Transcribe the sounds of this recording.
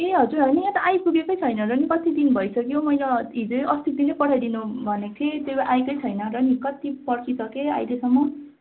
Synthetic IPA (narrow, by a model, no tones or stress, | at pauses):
eɦʌd͡zuɾɦʌnijãt̪ʌʔajpuɡekʌjt͡sʰʌjnʌɾʌnikʌt̪id̪inbʱʌjsʌkjomʌjlaɦid͡zoʔʌst̪it̪̚d̪inʌjpʌʈʰajd̪inubʱʌnekʰet̪joʔajkʌjt͡sʰʌjnʌrʌnikʌt̪ipʌɽkisʌkea̰jlesʌmːʌ